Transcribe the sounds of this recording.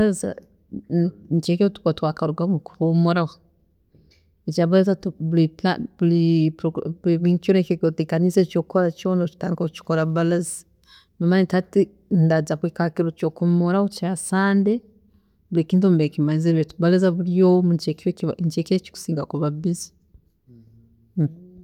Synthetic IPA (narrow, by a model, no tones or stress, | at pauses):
laza̰ | ɲt͡ʃekiotu̥kotwakaɾuɡakuomoɾaɣo | et͡ʃaβalazaβulipaβulipɾoɡiβiŋkonekokotikaniset͡ʃokkoɾat͡ʃonot͡ʃi̥taːndikokut͡ʃi̥koɾaβalazi | mamanitati | ndazaβwikakiɾot͡ʃokumoɾawot͡ʃasaːnde | βulikiːntumbeekimaziβetuβalazaβulijomut͡ʃekɲt͡ʃekiet͡ʃi̥ku̥siːŋɡakuβaβizi̥